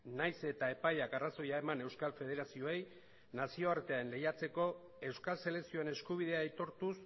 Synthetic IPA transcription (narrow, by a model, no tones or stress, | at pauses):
najse̞t̪ae̞pajakaraso̞jae̞mane̞wskalfe̞ð̞e̞ɾasio̞e̞j | nasio̞aɾt̪eaenle̞jat͡se̞ko̞ | e̞wskalse̞le̞ksio̞ene̞skuβ̞ið̞eaːjt̪o̞ɾt̪us